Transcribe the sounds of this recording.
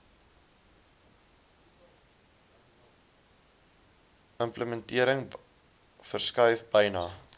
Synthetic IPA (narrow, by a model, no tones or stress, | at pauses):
əmpləməntiəɾəŋ | fərskœɥfbɐjnɑː